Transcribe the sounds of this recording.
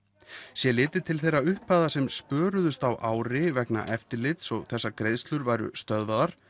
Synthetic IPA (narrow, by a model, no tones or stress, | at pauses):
sjɛlɪːt̪ɪt̪ʰɪlθejrːaʏhpaːðasɛmspœːɾʏðʏst̪awʔaːwɾɪvɛkna̰ʔɛft̪ɪɾlɪt̪sɔɣθɛsːakɾejðst̪lʏɾvajɾʏ̰st̪œðvaðaɾ̥